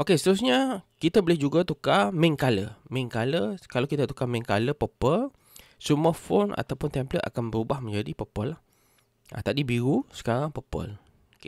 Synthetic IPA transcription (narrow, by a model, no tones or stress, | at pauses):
ʔokesə̥t̪əɾusɲakit̪abəlɪhd͡ʒuɡat̪ukamɛ̃ŋkalə̰mɛ̃ŋkaləkalawkit̪at̪ukamɛ̃ŋkaləpəpəl | suməfona̰t̪awpʊnt̪ɛmplət̪a̰kanbəɾubahmə̃ɲd͡ʒadipəpəlah | ʔa̰t̪adibiɾusə̥kaɾaŋpəpə̰l | oke